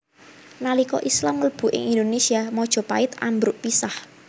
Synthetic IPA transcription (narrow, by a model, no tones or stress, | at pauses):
nalikɔʔislamələb̥ṳʔɪ̰ŋind̪onesiamɔd̥ʒ̥ɔ̤paɪt̪ambɾʊʔpisah